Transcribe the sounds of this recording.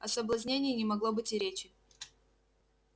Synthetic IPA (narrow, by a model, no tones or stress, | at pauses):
ɐsəblˠɐzʲnʲenʲɪjːnʲɪmɐɡlˠo̞bɨtʲɪɾʲet͡ɕɪ